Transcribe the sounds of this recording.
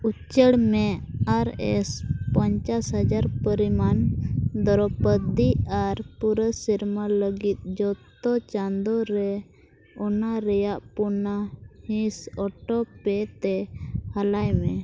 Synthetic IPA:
ut͡ʃəɽmɛaɾɛ̰spɔɲt͡ʃasɦəd͡ʒaɾpəɾimand̪ɔɾɔpəd̪iaɾpuɾəsiɾmaləɡit̪̚d͡ʒɔt̪ɔt͡ʃand̪ɔɾɛ | ɔnaɾɛjaʔpunahĩsɔʈɔpɛt̪ɛhalajmɛ

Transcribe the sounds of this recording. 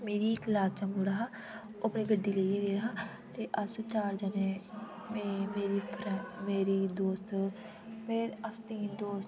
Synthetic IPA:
meːɾiːklaːst͡ʃəŋɡuːɽaːɦaː | opɽiːɡəɖːiːleijeːɡəjaɦaː | t̪eːʔəst͡ʃaːɾd͡ʒənẽː | mːmeːɾiːpʰɾɛ̃meːɾiːd̪oːst̪ | meːəst̪iːnd̪oːst̪

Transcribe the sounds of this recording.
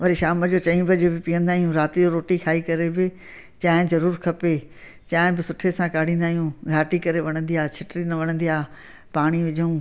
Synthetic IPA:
ʋɐɾiʃaːməd͡ʑoːt͡ɕɐĩbɐd͡ʑebɪpiə̃nd̪aːɦijũɾaːt̪ɪd͡ʑoɾoːʈikʰaːikɐɾebɪ | t͡ɕaːɦɪ̃zɐɾuːɾkʰɐpe | t͡ɕaːɦɪ̃bɪsʊʈʰesãkaːɽ̤ĩːn̆d̪aːɦijũɡʱaːʈikɐɾeʋɐɽ̃ə̃nd̪iaːt͡ɕʰɪʈɾinɐʋɐɽ̃ə̃nd̪iaː | paːɽ̃iʋɪd͡ʑʱũː

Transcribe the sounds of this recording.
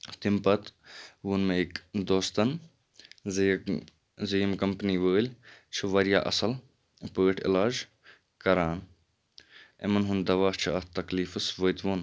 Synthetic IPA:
t̪impɐt̪ʋunmeikd̪oːst̪ɐn | zijmkɐmpniːʋəːlʲt͡ʃʰɨʋɐɾjaːʔɐ̰sɐl | pəːʈʰɪ̰laːd͡ʒ | kɐɾaːn | ḛmɐnɦund̪ɐʋaːht͡ʃʰiɐt̪ɐkliːfɨsʋəjt̪ʋuːn

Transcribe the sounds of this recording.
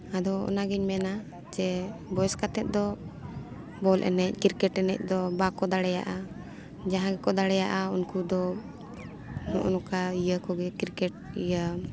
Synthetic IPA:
ad̪ɔɔ̰naɡiɲmɛna | d͡ʒɛbɔjɛskat̪ɛt̪̚d̪ɔ | bɔlʔɛ̰nɛc̚kiɾkɛʈɛnɛc̚ˀd̪ɔbakɔd̪aɽɛja̰ʔa | d͡ʒaɦãɡɛkɔd̪aɽɛjaʔaunkud̪ɔ | nɔ̰ʔɔnɔkaijəkɔɡɛkiɾkɛʈ̚ijə

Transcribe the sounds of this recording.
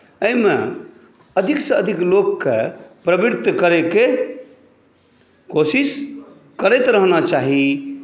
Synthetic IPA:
əimḛ | əd̪ʱiksə̃əd̪ʱiklokːepɾəbiɾt̪kəɾeke | kosis | kəɾɛjt̪ɾəɦnat͡ʃaɦi

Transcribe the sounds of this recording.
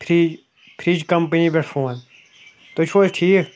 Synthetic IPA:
pʰɾi | pʰɾid͡ʒkɐmpənibeʈʰfʰoːn | t̪ot͡ʃʰoːlʈʰiː

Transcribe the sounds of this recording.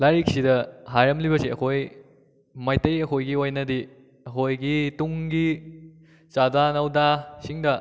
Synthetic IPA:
lajɾik̚sidɐɦajɾɐmlibɐsiɐkʰoj | majtɐjɐkʰojɡiojnɐdi | ɐkʰojɡituŋɡi | t͡ʃadanɐwdasiŋdɐ

